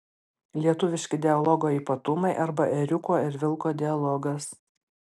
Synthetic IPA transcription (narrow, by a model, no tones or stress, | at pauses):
lʲiɛt̪ʊʋʲɪʃʲkʲɪd̪ʲɛɐlˠɔɡoːiːpɐt̪ʊmɐɪʔɐɾbɐʔɛɾʲʊkoːɪɾʋʲɪlˠkoːd̪ʲɪɐlˠɔɡɐs